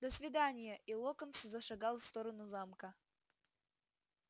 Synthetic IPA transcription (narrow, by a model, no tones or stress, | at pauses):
d̪əsʲvʲɪd̪anʲɪjəʔilˠokənszɐʂɐɡɑlˠfst̪oɾənuzamkə